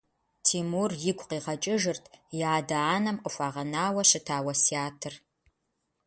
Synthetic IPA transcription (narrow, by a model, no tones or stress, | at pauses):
tʰiːmurjɪɡʷʰʼqiːʁɐt͡ʃʼɪʒɨrtʰjaːdaaːnɐmqʼəfʷaːʁɐnaːwɐɕɪtʰaːwɐsiaːtʰɨr